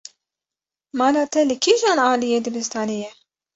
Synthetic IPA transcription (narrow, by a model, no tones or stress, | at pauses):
mɑːlɑːt̪ʰɛlɨkʰiːʒɑːnɑːlijeːd̪ɨbɨst̪ʰɑːnijɛ